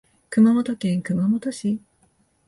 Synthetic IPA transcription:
kɯ̟mamot̪o̞kẽŋkɯ̟mamot̪o̞ɕi

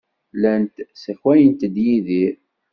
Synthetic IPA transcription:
lænt̪səçwæjənt̪d̪jiði

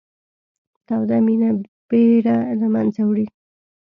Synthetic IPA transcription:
t̪awd̪amina | b̥eɾalamansawɽi

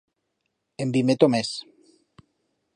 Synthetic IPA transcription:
embimet̪omes

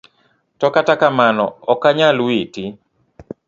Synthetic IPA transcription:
tɔkatakamanɔ̰ɔkaɲalwiti

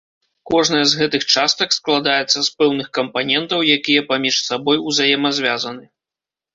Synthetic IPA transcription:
kɔʐnɐjɐzɣɛt̪ɨxt͡ʂast̪ɐksklˠad̪ajɛt̪sːɐspɛwnɨxkɐmpanʲɛnt̪ɐwjakʲijɐpamʲiʂsabɔjuzajɛmɐzʲvʲazɐnɨ

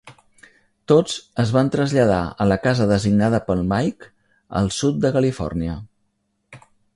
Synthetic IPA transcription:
t̪od͡zəzβant̪ɾəzʎəð̞a̰ələkazəðəziɡnaðəpəlˠmajk | ə̰lˠsut̪̚d̪əkəlifɔ̰rniə

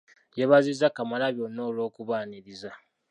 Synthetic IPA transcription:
jeβazizakamalaβjonːoːlo̞ːkuβaːniɾiza

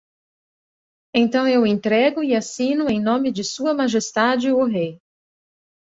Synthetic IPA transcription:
ẽj̃t̪ɐ̃w̃ewẽnt̪ɾɛɡʊɪasĩnʊẽj̃nõmɪd͡ʒɪsuɐmaʒest̪ad͡ʒɪʊɦej

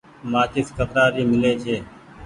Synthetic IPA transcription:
mãːkɪskəpɾaːɾiːmɪleːt͡ʃʰeː

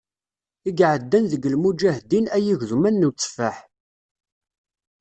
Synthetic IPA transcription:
iɡʕəd̪ːænðəɡːəlmud͡ʒæhd̪inæjiʝðumænːut͡sːə̥fəħ

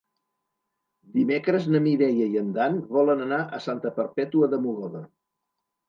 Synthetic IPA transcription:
d̪imekɾəznəmiðɛjəiənd̪anβɔlənənaʔəsant̪əpəɾpɛt̪uəðəmuɣɔðə

